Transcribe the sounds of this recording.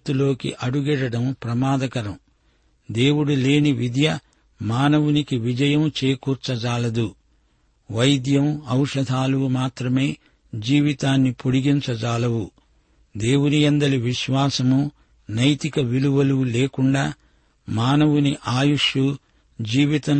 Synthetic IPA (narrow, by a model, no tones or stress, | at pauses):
t̪ulo̞ːkḭʔɐɽuɡɛɽɐɽɐmpɾɐmaːd̪ɐkɐɾɐm | d̪e̞ːwuɽule̞ːniʋid̪jɐ | maːnɐʋunikiʋid͡ʒɐjɐmt͡ʃeːkuːɾt͡ʃɐd͡ʒaːlɐd̪u | ʋɐjd̪jɐmɐwʂɐd̪ʱaːlumaːt̪ɾɐme̞ː | d͡ʒiːʋit̪aːnːipoɽiɡint͡ʃɐd͡ʒaːlɐwu | d̪eːwunijɐnd̪ɐɾiʋiʃʋaːsɐmu | nɐjt̪ikɐʋiluʋɐluleːkuɳɖaː | maːnɐʋuniʔaːjuʂu | d͡ʒiːʋit̪ɐm